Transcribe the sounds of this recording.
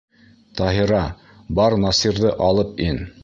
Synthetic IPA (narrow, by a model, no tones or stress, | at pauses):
t̪ɑɦiɾɑ | bɑɾnɑsiɾðɤʔɑlˠɤpin